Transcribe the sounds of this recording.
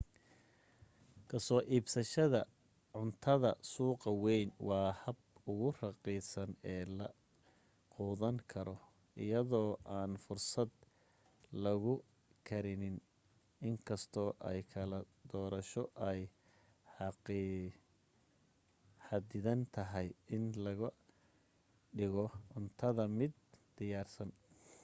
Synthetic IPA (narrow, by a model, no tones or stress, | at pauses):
kʰɐsɔːʔiːbsɐʃɐðɐ | ʕʊnt̪ʰɐðɐsuːqɑwɛjnwɑːhɐbʊɣʊrɑqiːsɐnɛːlɐ | quːðɐŋkʰɐɾɔ | ʔɪ̰jɐðɔːʔaːnfʊrsɐd̪̚ | lɐɣʊ | kʰɐɾɪnɪn | ɪŋkʰɐst̪ʰɔːʔɛ̰jkʰɐlɐ | d̪ɔːɾɐʃɔʔɛj | ħɑqi | ħɑd̪ɪðɐnt̪ʰɐɦɛjɪnlɐɣɐ | ɖɪɣɔʊnt̪ʰɐðɐmɪd̪̚d̪̥ɪjaːrsɐn